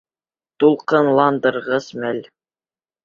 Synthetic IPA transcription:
t̪ulˠqɤnlˠɑnd̪ɤ̆ɾʁɤzmælʲ

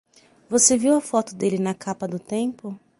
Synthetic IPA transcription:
voseviwɐfɔt̪ʊd̪elɪnɐkʰapɐd̪ʊt̪ẽpʊ

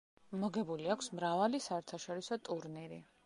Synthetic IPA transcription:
mɔɡɛbuliakʷʰsmɾavalisaɛɾt̪ʰaʃɔɾisɔt̪ʼuɾniɾḭ

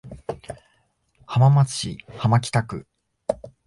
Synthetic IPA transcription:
hamamat͡sɨ̥ɕḭhamak̬ʲi̥t̪akɯ̟̰

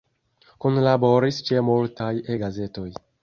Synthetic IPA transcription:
konlabo̞ɾist͡ʃemultajeɡaze̞to̞j

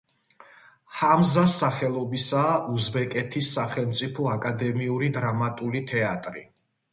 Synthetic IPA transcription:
hamzasːaχɛlˠɔbisaːʔuzbɛkʼɛt̪ʰisːaχɛlˠmt̪sʼipʰɔakʼad̪ɛmiuɾid̪ɾamat̪ʼulit̪ʰɛat̪ʼɾḭ

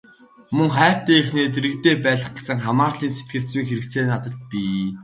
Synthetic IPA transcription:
mɵŋχæːr̥t̪iːexneːt̪̬eɾɘ̆kt̪eːpæːɮə̆χɡe̥sə̆ŋχamaːrɮiːnse̥t̪̚ɡɘ̆ɬt͡swiŋxeɾɘ̆k̚t͡seːnat̪ə̆t̪̚piː

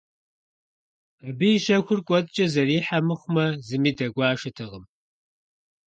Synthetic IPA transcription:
abijʃɐkʷʊrkʷʼɔtʼt͡ʃʼɐzɐriːħamɨχʷmɐzɨmiːdɐɡʷɑːʃɨtʰɨʁəm

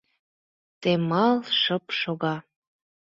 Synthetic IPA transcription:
t̪emɑlˠʃəpʃoɣɑ

